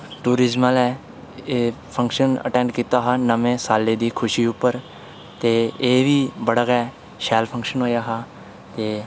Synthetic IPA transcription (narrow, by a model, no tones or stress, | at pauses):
ʈuːɾɪzməlɛː | eːpʰə̃ŋkʃənə̰ʈɛ̃ːɳɖkiːt̪aːɦaːnəmẽːsaːleːd̪iːkʰʊʃiːʊpːəɾ | t̪eːeːʋiːbəɽəɣɛː | ʃɛːlpʰə̃ŋkʃənɦoːjaːɦaː | t̪eː